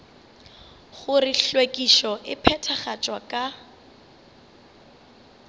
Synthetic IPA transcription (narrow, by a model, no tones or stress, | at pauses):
χʊrɪɬwekʼiʃɔʔɪpʰɛtʰaχat͡ʃʼwakʼa